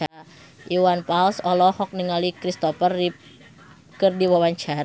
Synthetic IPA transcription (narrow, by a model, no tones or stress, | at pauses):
a | ʔiwanpalsɔlɔhɔk̚niŋalikɾist̪ɔfəri | kɨrdiwawaɲt͡ʃaɾ